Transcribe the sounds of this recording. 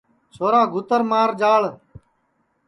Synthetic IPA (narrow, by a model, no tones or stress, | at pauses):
t͡ʃʰoːɾaːɡʱʊt̪əɾmaːɾd͡ʒaːɭ